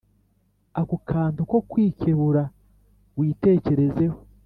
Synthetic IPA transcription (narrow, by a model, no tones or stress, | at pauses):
akukʰaːntuko̞kwiːceβuɾa | wiːte̞ːce̞ɾe̞ze̞ho̞